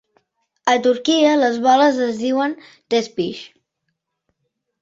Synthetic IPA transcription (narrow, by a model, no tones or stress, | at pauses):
ət̪uɾkiələzβɔləzəzðiwən | t̪ɛspiʃ